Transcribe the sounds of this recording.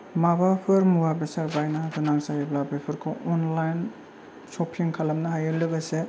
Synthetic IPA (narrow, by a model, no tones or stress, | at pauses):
mabapʰɯɾmuwabesaɾbajnapʰɯnaŋsajeblabepʰɯɾkʰɯɔnlajn | sopʰiŋkʰalamnɐɦajɯlɯɡɐse